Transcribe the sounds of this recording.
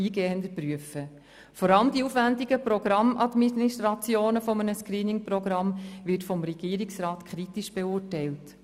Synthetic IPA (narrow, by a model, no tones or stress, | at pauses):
iːɡ̥eːənd̪əpɾyəfə | fɔɾɑləmd̥̪iuːfʋændiɡəpɾɔɡ̥ɾɑmʔɑdmiiʃt̪ɾɑt͡sjoːnəfɔmənəskɾiːnɪŋprɔɡɾɑmʋɪtfɔmɾɛɡ̥iːɾɪksɾɑːtkʰɾitiʃb̥ɛuːrtɛɪlt